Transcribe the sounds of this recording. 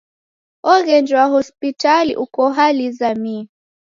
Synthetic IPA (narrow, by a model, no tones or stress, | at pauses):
ɔɣɛnd͡ʒwaɦɔspitalḭʔukɔɦalizami